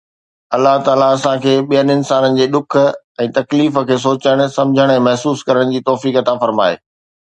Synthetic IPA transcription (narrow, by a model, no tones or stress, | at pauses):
ɐlːaɦt̪aːlaɐsãkʰeːɓijənɪnsaːnənɪ̆d͡ʑeːɗ̪ʊk̆ʰ | ɛ̃ːt̪ɐkliːfə̆kʰeːs̬oːt͡ɕəɽ̃sɐ̃md͡ʑʱəɽ̃ɛ̃ːmɐɦsuːskɐɾəɽ̃d͡ʑiːt̪ɔːfiːkɐt̪afɐɾma̰ːḛː